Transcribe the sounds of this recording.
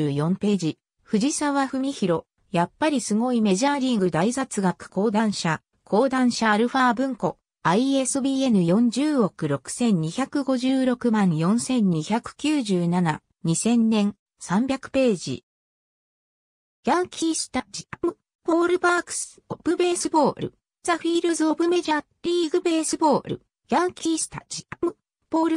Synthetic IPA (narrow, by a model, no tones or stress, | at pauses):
jõ̞mpe̞ːd͡ʑi | ɸɯ̟ʑisaβaɸɯ̟mʲiçiɾo̞ | japːaɾʲisɨŋo̞ime̞ʑaːɾʲĩŋɡɯ̟d̪aisat͡sɨɡakɯ̟̥ko̞ːd̪ãɰ̃ɕa | kʰo̞ːd̪ãɰ̃ɕaːɾɯ̟ɸaːbɯ̟̃ŋko̞ | aie̞sɨbʲiːe̞nɯ̟jõ̞ɲ̟d͡ʑɨːo̞kɯ̟ɾo̞kɯ̟̥sẽ̞ɲ̟ɲiçakɯ̟ɡo̞ʑɨːɾo̞kɯ̟mãɰ̃jõ̞ɰ̃sẽ̞ɲ̟ɲ̟içakɯ̟̥kʲɨːʑɨːnana | ɲ̟isẽ̞nːẽ̞ŋ | sãmbʲakɯ̟̥pe̞ːd͡ʑḭ | jaŋkʲʰiːsɨ̥t̪ad͡ʑimɯ | po̞ːɾɯ̟baːkɯ̥sɨ̥ob̥ɯ̟be̞ːsɨbo̞ːɾɯ̟̰ | zaɸiːɾɯzɨobɯ̟me̞ʑa | ɾʲiːɡɯ̟be̞ːsɨbo̞ːɾɯ̟̰ | jãŋkʲiːsɨ̥t̪a̰d͡ʑim | po̞ːɾɯ